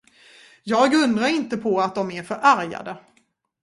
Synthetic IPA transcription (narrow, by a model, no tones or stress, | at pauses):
jɑːɡɵnd̪ɾaɾɪnt̪əpʰɔat̪̚d̪ɔmæɾfœɾʔæɾja̰d̪ə